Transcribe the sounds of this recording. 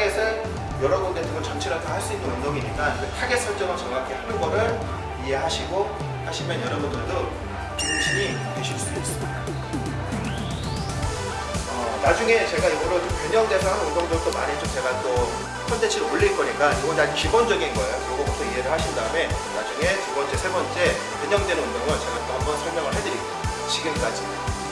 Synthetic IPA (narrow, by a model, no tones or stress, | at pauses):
ɡesʰɯn | jʌɾʌɡok̚t͈etʰɯɡot͡ɕʌnt͡ɕʰiɾotahaɭs͈uinːɯnondoŋiɲik͈ankɯtʰaɡe̞sʰʌɭt͡ɕ͈ʌɡɯɭt͡ɕʌŋakʰehanɯnɡʌɾɯɭ | iɦe̞ɦaɕʰiɡo | aɕʰimjʌnjʌɾʌbundɯɭdo | iɾɯnt͡ɕiɲi | keɕʰis͈udoes͈ɯmida | ʌnad͡ʑuŋe̞t͡ɕe̞ɡajoɡʌɾopeɲʌŋde̞sʰaondʌŋdot͈omanet͡ɕomt͡ɕe̞ɡat͈o | sʰap͈ʌnt͡ɕ͈et͡ɕʰiɾoɭːiɭk͈ʌɲik͈ajoɡʌd͡ʑad͡ʑumkibʌnd͡ʑʌɡinɡʌe̞jokʌɡʌɡʌtʰʌiɦe̞ɾɯɭhaɕʰindaɯme̞nad͡ʑuŋe̞tubʌnt͡ɕ͈e̞sʰe̞bʌnt͡ɕ͈e̞ | peɲʌŋdwenɯnondoŋɡʌnt͡ɕe̞ɡat͈oɦambʌnsʰʌɭmjʌŋɯɭɦedɯɾiɡo | ɕʰiɡɯmk͈ad͡ʑi